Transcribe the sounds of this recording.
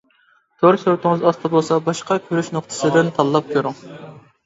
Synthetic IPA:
t̪ʰoɾsyɾt̪ʰɪŋɨzɑst̪ʰɨbolˠsɑbɑʃqɑkʲʰøɾyʃnoχt̪ʰɨ̥sɨd̪ɪnt̪ʰɑlˠːɑp̚kʲʰøɾɪŋ

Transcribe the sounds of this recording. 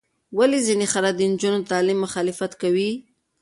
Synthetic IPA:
walezinexalad̪ənd͡ʒunot̪ɑlimːʊxɑlɪfat̪kawi

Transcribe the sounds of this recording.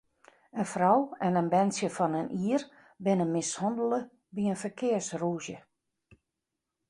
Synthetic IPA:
ənfrɔwɛnənbɛnsjəfɔnəniər | bɪnəmɪshɔndəlˠə | biənfərkʰɪərsruːzjə

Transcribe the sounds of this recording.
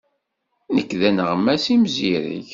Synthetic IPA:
nəkːðænəʁəmːæsimziɾḭç

